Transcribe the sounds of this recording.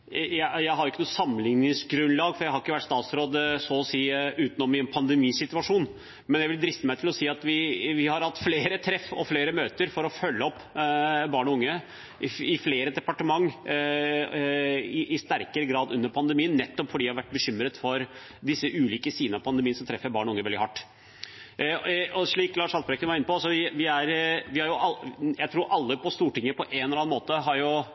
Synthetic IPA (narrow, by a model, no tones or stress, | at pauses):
jæɪjæɪɦɑɾjʊɪkːənuːsɑmːənlɪŋnɪŋsɡɾʉnlɑːɡfɔɾjæɪhɑɾɪkːəʋæʈːst̪ɑːt̪sɾoːd̪əsɔɔsiːʉːt̪nɔmɪɛnpʰɑnd̪ɛmiːsɪt̪ʉɑʂuːn | mɛnjæɪʋɪld̪ɾɪft̪əmæɪt̪ɪlɔsiːɑt̪ʋɪʋɪhɑɾhɑt̪ːfleːɾət̪ʰɾɛfɔ̰fleːɾəmøːt̪əɾfɔɾɔfœlːəɔpːbɑːɳɔʊŋːə | ʔɪfleːɾəd̪ɛpɑʈəmɑŋː | ɪʔɪst̪æɾkəɾəɡɾɑːd̪ʉnːəɾpʰɑnd̪əmiːənːɛt̪ːɔpfɔɖid̪hɑɾʋæʈ̚ːbəɕʏmːɾət̪fɔɾ | d̪ɪsːəʔʉːliːkəsiːd̪nɑpʰɑnd̪əmiːənsɔmt̪ʰɾɛfːəɾbɑːɳɔʊŋːəʋɛld̪ɪhɑʈː | ɔʂɭiːklɑːʂɑlbɾɛkənʋɑɾɪnːəpɔsɔʋɪʋɪæɾʋɪhɑɾjʊʔɑjæɪt̪ʰɾuːɾʔɑlːəpʰɔst̪uːʈɪŋːəpʰɔʔɛnɛlɑːnmoːt̪əɦɑɾjʊ